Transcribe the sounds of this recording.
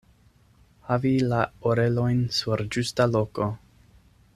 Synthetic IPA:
havilaoɾe̞lo̞jnsuɾd͡ʒustalo̞ko̞

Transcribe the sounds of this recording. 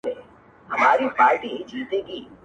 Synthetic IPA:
e | ɦɐmaːɾipaːɾʈid͡ʒiːt̪eɡiː

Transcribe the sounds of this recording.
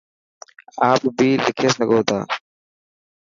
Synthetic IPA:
aːpbiːlɪkʰeːsəɡoːt̪a̰ː

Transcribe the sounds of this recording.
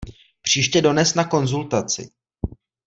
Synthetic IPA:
pr̝̥iːʃcɛdo̞nɛsnako̞nzult̪at͡sɪ̰

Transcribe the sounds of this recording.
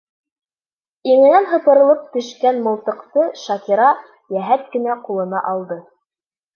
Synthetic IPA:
iŋɘ̆nænɦɤ̆pɤ̆ɾɤ̆lˠɤp̚t̪ɵ̆ʃkænmŏlˠt̪ɤ̆qt̪ɤʃɑkiɾɑ | jæɦæt̪̚kɘ̆næqulˠɤ̆nɑʔɑlˠd̪ɤ

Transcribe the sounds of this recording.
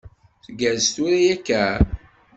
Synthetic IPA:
θɡæst̪uɾijækːæ

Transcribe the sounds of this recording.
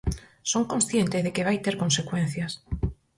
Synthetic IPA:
soŋkõnsθjent̪ɪzðekeβajt̪eɾkõnsekwẽn̟θjas

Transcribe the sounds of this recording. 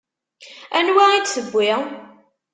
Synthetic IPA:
ænwaid̪səɡʷːɪʁ

